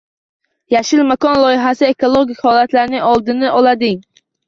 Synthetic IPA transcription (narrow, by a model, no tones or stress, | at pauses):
jaʃɪlmakɒnlˠɒjɪɦasɪe̞kʰolˠoɡʲɪkʲhɒlat̪laɾnɪŋɒlˠd̪ɪnɪʔɒlad̪ɪŋ